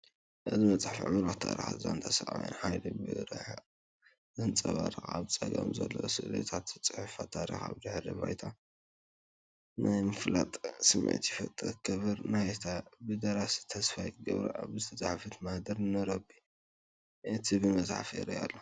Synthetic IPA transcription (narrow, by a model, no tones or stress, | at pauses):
ʔɨzibɐt͡sʼaħfiʕɨmɾot̪ʰːaɾḭxaza̰nt̪ʰasɐʔʕa̰jo̰nħajlobɨɾɨħ | zɨnt͡sʼɐβaɾxaβt͡sʼɐɡɐ̰mzɐ̰lːosɨlḛt̪ʰat̪zɨt͡sʼɨħufat̪ʰaɾḭxa̰βd̪ɨħlɨβa̰jt̪ʰa | nʔajmɨflat̪ʼsɨmʕɨ̰t̪jifɐt̪ʼɨɨkʰːɐβɨɾnajt̪ʰabɨd̪ɐɾasi̥t̪ʰɐsfajɡɐβɾa̰ʔaβzɨt̪ʰɐt͡sʼaħfɨt̪mahd̪ɐɾnɨɾɐbi | ʔɨt̪ʰibɨmɐzʼħafɾia̰lːo